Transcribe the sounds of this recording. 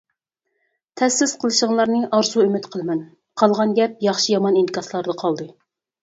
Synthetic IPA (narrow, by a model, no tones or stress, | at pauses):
t̪ʰɛsɪsqʰəlˠɨʃŋlˠɑɾnɨʔɑɾsuymɪt̪qʰəlˠɨmɛn | qʰɑlˠʁɑnɡʲɛp̚jɑχʃijɑmɑninɨkʰɑslˠɑɾd̪ɑqʰɑlˠd̪ɨ